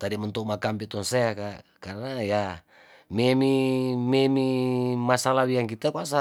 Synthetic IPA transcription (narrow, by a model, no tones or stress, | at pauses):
t̪adimunt̪umakampit̪ɔnseakakarnaja | memimemimasalawiaŋkit̪akasa